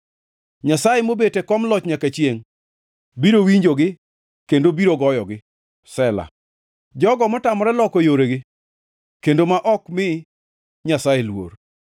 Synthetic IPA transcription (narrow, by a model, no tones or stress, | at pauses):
ɲasajemobetekɔmlɔt͡ʃɲakat͡ʃieŋ | biɾowiɲd͡ʒoɡɪ | kendobiɾoɡɔjɔɡɪ | sɛla̰ | d͡ʒɔɡɔmɔtamɔɾɛlɔkɔjoɾeɡɪ | kendomaʔɔkmɪ | ɲasajelwo̰r